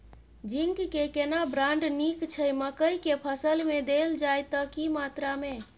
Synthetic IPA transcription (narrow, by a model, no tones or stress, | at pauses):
d͡ʒiŋkkekenabɾãɳɖnikt͡ʃʰəjməkəjkepʰəsəlmed̪eld͡ʒajt̪əkimat̪ɾame